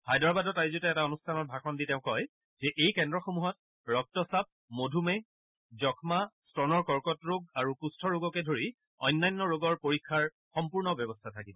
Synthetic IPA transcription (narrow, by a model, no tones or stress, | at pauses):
hajdɔɹbadɔtajzotɛɛtaonustʰanɔt̚bʱaxɔnditeʊ̃kɔj | z̥ɛʔejkɛndɹɔxomuɦɔt | ɹɔk̚tɔsap̚ | modʱumɛ | zɔkʰmastɹɔnɔɹkɔɹkɔtɹoɡ̚aɹukustʰɔɹoɡɔkɛdʱoɹi | ɔjnːajnːɔɹoɡɔɹpoɹikʰːaɹ | xɔmpuɹnɔbjɔbɔstʰatʰakibɔ